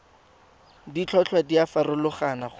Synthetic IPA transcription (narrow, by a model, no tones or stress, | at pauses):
dit͡ɬʰɔt͡ɬʰwadiafaɾʊlʊχanaχ